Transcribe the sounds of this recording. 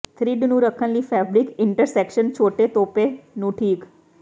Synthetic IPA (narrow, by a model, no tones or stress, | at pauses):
t̪ʰɾiɖnũɾəkʰənlifɛbɾɪkɪɳʈəɾsekʃənt͡ɕʰoːʈet̪oːpenũːʈʰiːk